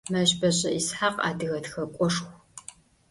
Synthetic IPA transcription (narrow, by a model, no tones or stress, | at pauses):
mɐʑbɐʑʼɐʔisħaqa̰ːdɨɣɐtxɐkʷʼɔʂxʷ